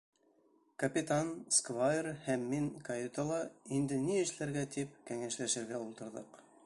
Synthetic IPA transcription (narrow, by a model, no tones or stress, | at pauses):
kɐpʲɪt̪anskvajrhæmːiŋkɐjet̪olˠɑind̪ɘniɘ̆ʃlæɾɡæt̪ipkæŋæʃlæʃɘ̆ɾɡæulˠt̪ɤ̆ɾðɤ̰q